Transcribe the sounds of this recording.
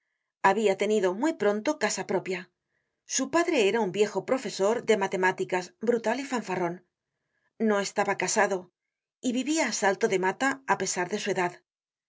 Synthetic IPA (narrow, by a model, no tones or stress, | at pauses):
aβiat̪e̞niðo̞mwijpɾo̞nt̪o̞kasapɾo̞pja | supaðɾe̞eɾaumbje̞xo̞pɾo̞fe̞so̞ɾðe̞mat̪e̞mat̪ikazbɾut̪alifaɱfaro̞n | no̞e̞st̪aβakasaðo̞ | iβiβiaːsalt̪o̞ðe̞mat̪aːpe̞saɾðe̞sue̞ðað